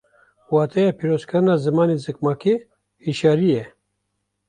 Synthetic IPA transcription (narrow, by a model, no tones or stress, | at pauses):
waːt̪ʰɛjapʰiːɾoːzkɨɾɨnaːzɨmɑːnizɨk̚mɑːke | hiʃaːɾije